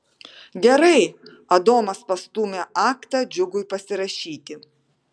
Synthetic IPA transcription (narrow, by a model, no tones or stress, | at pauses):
ɡʲɛɾɐɪ | ɐd̪oːmɐspɐst̪uːmʲeʔɑːkt̪ɑd͡ʒʲʊɡʊɪpɐsʲɪɾɐʃʲiːt̪ʲɪ